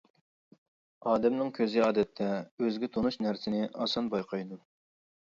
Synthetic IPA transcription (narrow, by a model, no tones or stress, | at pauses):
ɑːd̪ɛmnɪŋkʲʰøzɪɑːd̪ɛt̪ʰːɛøzɡʲɛt̪ʰonuʃnæɾsɪnɪʔɑsɑnbɑjqʰɑjd̪u